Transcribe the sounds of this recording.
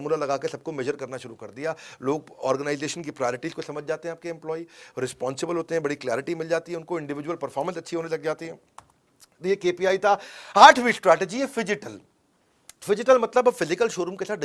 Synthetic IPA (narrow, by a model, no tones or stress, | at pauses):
muːnalɐɡaːkesɐb̚komɛʒəɾkɐɾnaʃʊɾukɐɾd̪ijaːloːɡ̚ɔːɾɡənaːɪzeːʃənkipɾajɔːɾɪʈizkosɐməd͡ʒʱd͡ʒaːt̪eɦɛ̃ːp̚keɛ̃mplɔːiɾɪspɔ̃ːnsɪbəlɦoːt̪eɦɛ̃bɐɽiklaːɾɪʈimɪld͡ʒaːt̪iɦɛ̃ʊnkoɪ̃ɳɖɪʋɪd͡ʒuwəlpɐɾfɔːɾmə̃nsɐtːʰiɦoːnelɐɡd͡ʒaːt̪iɦɛ̃ː | d̪iekeːpiaːit̪aaːʈʰʋisʈɾɛːʈed͡ʒiɛfɪd͡ʒɪʈəl | fɪd͡ʒɪʈəlmɐt̪ləbɐbfɪzɪkəlʃoːɾũmkesaːt̪ɖ